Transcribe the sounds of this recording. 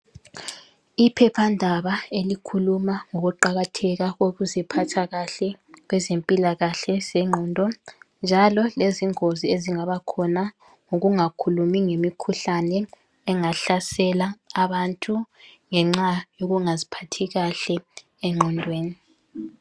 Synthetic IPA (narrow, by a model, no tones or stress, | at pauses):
ipʰɛpʰandʱaβaelikʰulumaŋoɣuǃaɣatʰɛɣaɣoɣuzipʰatʰaɣaɬɛ | ɣwɛzempʼilaɣaɬɛz̥ɛŋ͡ǃʱɔːndʱɔnd͡ʒʱalɔleziŋozieziŋaβakʰɔna | ŋoɣuŋakʰulumiŋemikʰuɬanɛː | ŋaɬasɛlaːβantʼuŋɛŋ͡ǁajoɣuŋazipʰatʰiɣaɬɛ | ɛŋ͡ǃʱɔndʱweːni